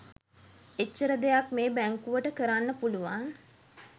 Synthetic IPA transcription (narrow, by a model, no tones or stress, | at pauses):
et͡ʃːəɾəd̪ejakmeːbæŋkuʋəʈəkəɾanːəpuluʋaŋ